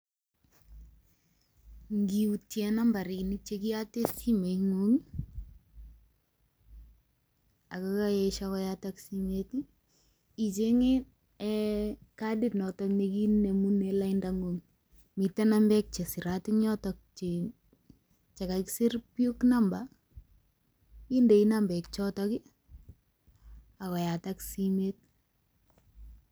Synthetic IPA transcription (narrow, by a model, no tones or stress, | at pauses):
ŋɡiutjɛnambaɾinit͡ʃek̬ijatesimeŋuŋ | akakajɛʃakɔjataksimeti | it͡ʃeŋe | ɛkaditnɔtɔkɲekinnemunelaindaŋɡoŋ | mitanambɛk̚t͡ʃɛsɪɾatɪɲɔtɔk̚t͡ʃe | t͡ʃakaksirpjuknamba | indeinambɛk̚t͡ʃɔtɔki | akɔjataksimet̚